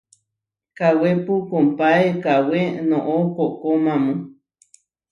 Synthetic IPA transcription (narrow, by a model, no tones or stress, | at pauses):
kawepukompaekawenõʔokoʔkomamũ